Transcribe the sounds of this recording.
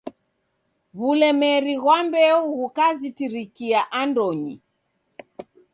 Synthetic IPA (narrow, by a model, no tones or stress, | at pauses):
βulɛmɛɾiɣwambɛɔɣukazitiɾikiaʔandɔɲḭ